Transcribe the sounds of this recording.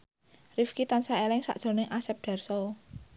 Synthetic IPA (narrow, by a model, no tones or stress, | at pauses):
rifkit̪ansaelɪŋsa̰ʔd̥ʒ̥o̤nɪŋʔasɛp̚ɖ̥a̤rsɔ